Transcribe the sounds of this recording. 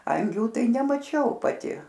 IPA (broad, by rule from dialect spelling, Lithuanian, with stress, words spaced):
ˈɐŋʲɡʲuː ˈtɐɪ nʲɛmɐˈt͡ʃʲɛʊ pɐˈtʲɪ